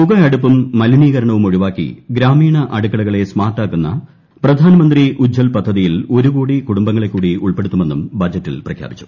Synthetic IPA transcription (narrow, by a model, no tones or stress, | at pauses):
muɣɐɐɽupːumːɐliniːɣɐɾɐɳɐʋumoɻiʋaːkːḭɡɾaːmiːɳɐʔɐɽukːɐɽɐɣɐɭe̞smaːrʈːaːkːunːɐ̰ | prɐd̪ʱaːnɐmɐnd̪riʔud͡ʑʱːɐlpɐd̪ʱːɐðijilo̞ɾuɣoːɽikuɽumbɐŋːɐɭe̞kːuːɽiuɭpe̞ɽut̪ːume̞nːumbɐd͡ʑɐtːḭlprɐkʰja̰ːbit͡ɕːu̥